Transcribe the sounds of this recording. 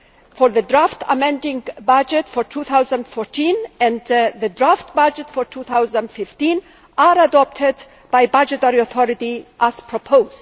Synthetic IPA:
fɔɹðədɹaftʰə̰mɛ̃ndɪ̃ŋbad͡ʒɛtfɔɹtʰuːθawzə̃ndfɔɹtʰĩnɛ̃ndðədɹaftbad͡ʒətfɔɹtʰuːθawzə̃ndfɪftĩn | aɾadɔp̚tʰɪd | b̥ajbad͡ʒətɛɹiɔθʰɔɾɪtiʔæz̥pʰɹɔpʰoʊz

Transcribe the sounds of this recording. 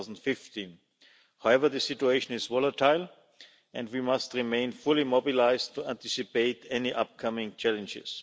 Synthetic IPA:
zn̩tfɪftĩn | haʊɛvə˞ðɨsɪtueɪʃə̃nɪzvɔlətʰaɪlˠ | ʔɛ̃ndwimastɹimẽɪ̃nfʊlimɔbilaɪztʰːuæ̃ntɪsipeɪtɛniʔap̚kʰʌmɪ̃ŋt͡ʃɛlə̃nd͡ʒɪ̰s

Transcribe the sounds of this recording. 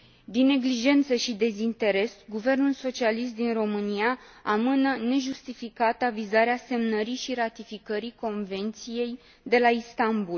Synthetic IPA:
d̪inːe̞ɡliʒe̞nt̪səʃid̪e̞zint̪e̞ɾe̞sɡuve̞rnulso̞t͡ʃialis̬t̪̚d̪inro̞mɨniaamɨnəne̞ʒust̪ifikat̪əavizaɾease̞mnəɾiʃiɾat̪ifikəɾiko̞nve̞nt̪sije̞j | d̪e̞laist̪ambul

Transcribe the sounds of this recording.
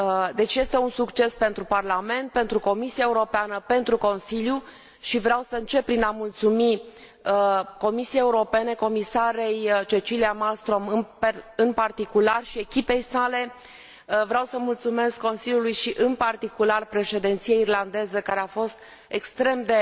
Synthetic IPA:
d̪e̞t͡ʃje̞st̪e̞unsukt͡ʃe̞spe̞nt̪ɾuparlame̞nt̪̚pe̞nt̪ɾuko̞misiaeuɾo̞peanəpe̞nt̪ɾuko̞nsilju | ʃivɾeawsəɨnt͡ʃe̞p̚pːɾinamult̪sumi | ko̞misiejeuɾo̞pe̞ne̞ko̞misaɾe̞jt͡ʃe̞t͡ʃiliamalst̪ɾo̞mɨnɨnpart̪ikularʃie̞kʲipe̞jsale̞ | vɾeawsəmult̪sume̞skːo̞nsiljulujʃiʔɨnpart̪ikularpɾe̞ʃe̞d̪ent̪sijeirland̪e̞zəkaɾeafo̞st̪ | ekst̪ɾe̞md̪e̞

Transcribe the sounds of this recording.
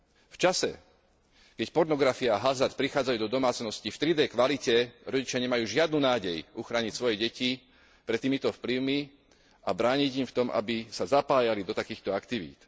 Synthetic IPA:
ft͡ʃasɛ̰ | kɛcpɔɾnɔɡɾafiaːɦazaɾt̪̚pɾixaːd͡zajuːd̪ɔd̪ɔmaːt͡snɔscift̪ɾid̪ɛjkʋalicɛɾɔɟit͡ʃɪaɲɛmajuːʒɪad̪̚nuːnaːɟɛjʔuxɾaːɲicsʋɔjɛɟɛci | pɾɛt̪ːiːmit̪ɔfpliʊmi | abɾaːɲiɟimft̪ɔmʔa̰bisazapaːjalid̪ɔt̪akiːxt̪ɔakt̪iʋḭːt̪

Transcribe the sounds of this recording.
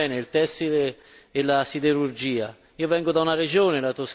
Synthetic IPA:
ɛneilt̪ɛsit̪eː | lːasid̪eɾurd͡ʒiːa | iːovɛŋɡʊd̪aunared͡ʒoːnelat̪os

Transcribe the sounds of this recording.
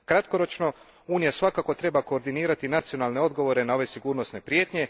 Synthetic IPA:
kɾat̪ko̞ɾo̞t͡ʃno̞ | uːnijasʋakako̞t̪ɾe̞bako̞ːɾd̪iniːɾat̪inat̪sijo̞naːlˠne̞o̞d̪ɡo̞ʋo̞ɾe̞nao̞ʋe̞siɡuːɾno̞sne̞pɾje̞ːt̪ɲe̞

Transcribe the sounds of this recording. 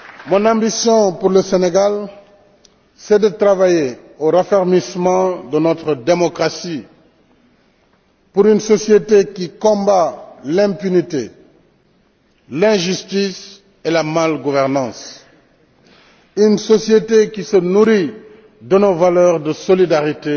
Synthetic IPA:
mɔ̃nɑ̃bisjɔ̃puʁləseneɡal | sɛd̪ət̪ʁavaje | oʁafɛʁmismɑ̃d̪ənɔt̪ʁəd̪emɔkʁasi | puɾynsɔsjet̪ekikɔ̃balɛ̃pynit̪e | lɛ̃ʒyst̪is | elamalɡuvɛʁnɑ̃s | ynsɔsjet̪ekisənuʁi | d̪ənovalœʁd̪əsɔlid̪aʁit̪e

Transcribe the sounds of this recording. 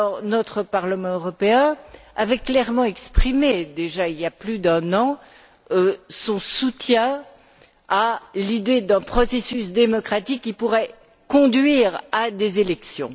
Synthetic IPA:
ɔʁnɔt̪χəpaʁləmɑ̃øʁɔpeɛ̃a̰vɛklɛʁmɑ̃ɛkspχimed̪eʒailjaplyd̪ɛ̃nɑ̃ | øsɔ̃sut̪jɛ̃ | alid̪ed̪ɛ̃pχɔsesysd̪emɔkχat̪ikːipuʁɛ | kɔ̃d̪ɥiʁad̪ezelɛksjɔ̰̃

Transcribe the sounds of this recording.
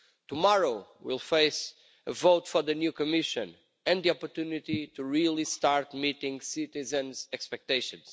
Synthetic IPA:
t̪umɔɹoʊwḭlˠfeɪs | əvoʊtfɔ˞ðɨnjukɔmɪʃɨ̃n | ɨ̃nd̪ðiɔpɔɾt̪unit̪it̪uɹilˠist̪aɾt̪mit̪ĩŋɡsit̪izɨ̃nzɛkspɛk̚t̪eɪʃɨ̰̃nz

